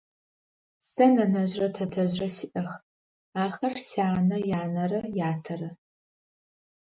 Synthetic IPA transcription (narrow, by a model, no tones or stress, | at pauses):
sɐnɐnɐʑrɐtʰɐtʰɐʑrɐsiʔɐx | aːxɐrsiaːnɐjaːnɐrɐjaːtʰɐrɐ